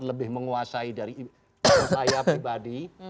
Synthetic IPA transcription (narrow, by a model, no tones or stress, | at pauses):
ləbɪhməŋuasaidaɾi | tajapibadi